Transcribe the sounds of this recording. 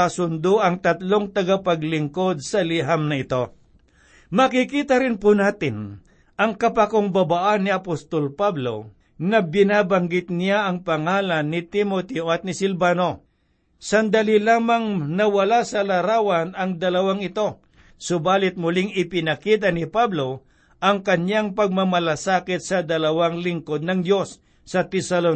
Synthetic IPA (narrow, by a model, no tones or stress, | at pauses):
asʊnd̪oʔɐŋt̪ɐt̪loŋt̪ɐɡapɐɡlɪŋko̞d̪̚sɐlɪɦamnɐɪt̪o̞ | mɐkɪkiːt̪ɐɾɪnpʊnaːt̪ɪn | ʔɐŋkɐpɐkoŋbɐbaʔanːɪɐpost̪o̞lpablo̞̰ | nɐbɪnaːbɐŋɡɪt̪̚nɪjaʔɐŋpɐŋaːlɐnːɪt̪ɪmot̪ɛoʔɐt̪̚nɪsɪlbaːno̞ | sɐnd̪alilaːmɐŋnɐwɐlasɐlɐɾaːwɐnɐŋd̪ɐlɐwaŋɪt̪o̞ | sʊbaːlɪt̪̚mʊlɪŋɪpɪnɐkiːt̪̬ɐnɪpablo | ʔɐŋkɐɲjaŋpɐɡ̚mɐmɐlasaːkɪt̪̚sɐd̪ɐlɐwaŋlɪŋko̞d̪̚nɐŋd̪jo̞sː | ɐt̪ɛsɐlon